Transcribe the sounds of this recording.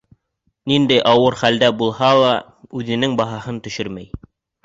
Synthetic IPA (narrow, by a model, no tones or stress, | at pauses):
nind̪æjʔɑwɤɾχæld̪æbulˠhɑlˠɑ | ʉðɘ̆nɘŋbɑɦɑhɤnt̪ɵ̆ʃɘɾmæj